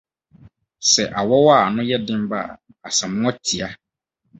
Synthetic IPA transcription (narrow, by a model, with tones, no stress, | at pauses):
sɛ˨ʔa˨wɔ˦wa˦˨nʊ̃˦jɛ˦dɪ̃˦m˦ba̰˦˨ | a˨sɛ̃˨mʊ̃˦ɔ˦tʰi˨a˦